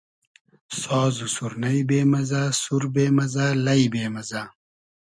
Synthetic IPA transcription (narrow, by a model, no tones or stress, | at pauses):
sɔːzusuɾnɐibeːmɐzaːsuɾbeːmɐzaːlɐjbeːmɐzaː